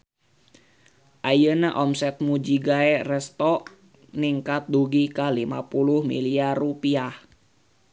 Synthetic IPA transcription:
ʔajənaʔɔmsɛt̪̚mud͡ʒiɡaɛrɛst̪ɔʔ | niŋkat̪̚duɡikalimapuluhmḭliarupiah

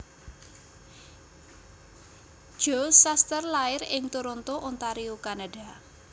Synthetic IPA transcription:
ʒ̥osast̪ərlaɪrɪŋt̪uɾɔnt̪oʔunt̪aɾiukanada̤

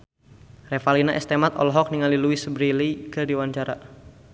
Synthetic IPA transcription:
refalinaʔɛ̰st̪emat̪ɔ̰lɦɔk̚niŋaliluisəbɾilikərdiwaɲt͡ʃaɾa

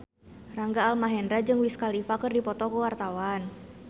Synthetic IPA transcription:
raŋɡaːlmaɦɛndɾad͡ʒɨŋwiskalifakɨrdipɔt̪ɔkəwart̪awan

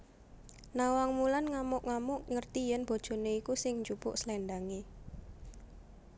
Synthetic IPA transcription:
nawaŋmulanŋamʊʔŋamʊʔŋərt̪ijənb̥o̤d̥ʒ̥o̤neikusɪŋɲd͡ʒupʊ̰ʔslɛɳɖ̪aŋe

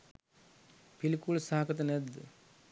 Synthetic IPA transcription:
pilkulsaːkɐt̪ɐned̪

